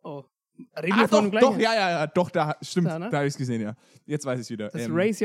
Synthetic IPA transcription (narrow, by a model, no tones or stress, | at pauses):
ʔo | ɾefnladɔχjaːjaːjaːd̥ɔχd̥aːʃtɪmdaːhabɪçsɡ̥əzeːənjaː | jɛt͡stv̥aɪsɪçv̥iːdɐʔɛːmɹeɪsj